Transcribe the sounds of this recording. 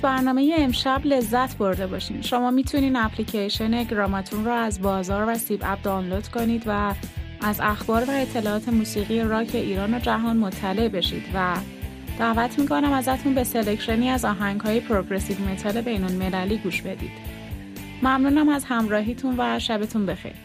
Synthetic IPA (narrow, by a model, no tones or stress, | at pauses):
bæɾnɒːme̞jeːmʃæble̞zːæt̪ʰbo̞ɾd̪e̞bɒːʃḭmʃo̞mɒːmiːt̪ʰuniːd̪æpʰlicʰejʃone̞ɡɾɒmɒt̪ʰunrɔæzbɒːzɒːɾvæsibæ̰b̚d̪ɒwnlod̪̥kʰo̞niːd̪væʔːzæxbɒːɾvæe̞t̪ʰːe̞lɒːɒːt̪ʰe̞muːsiːɣijeɾɒːcʰe̞ʔiːɾɒːno̞d͡ʒæɦɒːnmo̞t̪ʰːæle̞ʔbe̞ʃḭːd̪væ | d̪̥ævæt̪ʰmiːkʰo̞næmæzæt̪ʰunbe̞se̞lecʃoniːæzɒːɦæŋɡɦɒːjepʰɾoɡɾe̞sivme̞t̪ʰɒːle̞be̞jnolme̞læliːɡuːʃbe̞d̪ḭːd̪̥ | mæmnuːnæmæzhæmɾɒːɦiːt̪ʰunvæʃæbet̪ʰunbe̞xḛjɾ